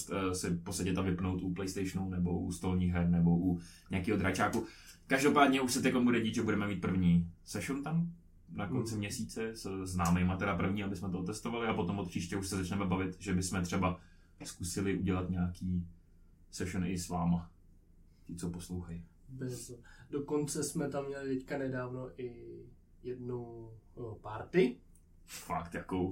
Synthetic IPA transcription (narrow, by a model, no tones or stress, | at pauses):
st̪ːsɪfpot̪st̪acɛt̪amvɪpnowt̪ʔuplɛjst̪ɛjʃnunɛboʔṵst̪olɲiːɣɦɛɾnɛbo̞ʔu | ɲɛakiːɦod̪ɾat͡ʃaːku | kaʒdopaːdɲɛuʃsɛt̪ɛklombudɛɟiːt̪ʒɛbudɛmɛmiːt̪̚pr̩vɲiːsɛʃunt̪am | nakont͡sɪmɲɛsiːt͡sɛsɛznaːmɛjmat̪ɛɾapr̩vɲiːabɪsmɛt̪oot̪ɛst̪ovalɪapot̪omot̪pt͡ʃiːʃcɛuʃsɛzat͡ʃnɛmɛbavɪt̪ʒɛbɪsmɛt̪rɛba | skusɪlɪʔuɟɛlat̪ɲaːkiː | sɛʃunɪsvaːma | cɪt͡soposlowxaj | bɪzdokont͡sɛsmɛt̪amːɲɛlɪt̪ɛckanɛdaːvnoʔɪ | jɛdnowpaɾt̪ɪ | fa̰kt̪jako